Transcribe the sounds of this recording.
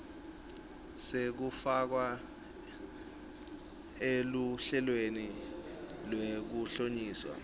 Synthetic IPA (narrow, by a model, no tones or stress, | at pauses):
sek̬ufak̬wa | eluɬɛlweni | lwek̬uɬoɲiːswa̰